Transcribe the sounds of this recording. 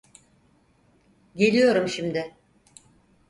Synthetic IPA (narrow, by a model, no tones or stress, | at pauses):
ɟe̞lʲijo̞ɾumʃimd̪ɪ